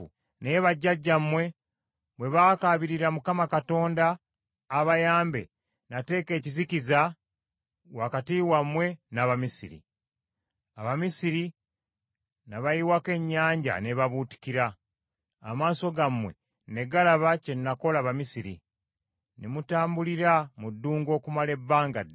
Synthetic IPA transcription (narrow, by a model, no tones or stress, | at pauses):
neβaɟːaɟːamwe̞ | βwe̞βakaβiɾiɾamukamakato̞ːndaː | βajaːmbe̞̰ | nate̞ːke̞ːciziciza | wakatiːwamwe̞naβamisḭɾḭ | aβamisiɾi | naβajiwake̞ɲːaːɲɟa̰ne̞βaβuːti̥ciɾaː | maːso̞ɡamwe̞̰ | ne̞ɡalaβace̞nːako̞laβamisiɾḭ | nemutaːmbuliɾamudːuːŋɡo̞ːkumale̞bːaːŋɡa